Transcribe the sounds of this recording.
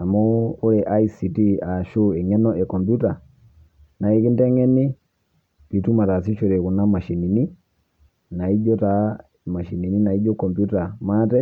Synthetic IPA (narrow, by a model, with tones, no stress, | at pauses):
na˨mɔ˦o˦le˨ʔa˦i˦si˨ti˦a˨ʃo˦e˨ŋɛ˦nɔ˦e˨kɔ˨mbju˦ta˨ | na˨e˦ki˦ndɛ˦ŋɛ˦ni˦ | pi˨tu˦ma˨ta˨s̬i˦t͡ʃu˨ɾe˨ku˨na˦ma˨ʃi˨ni˨ni˦ | na˨i˦d͡ʒɔ˦ta˨ | ma˨ʃi˨ni˨ni˦na˨i˦d͡ʒɔ˦kɔ˨mbju˦ta˨matɛ˦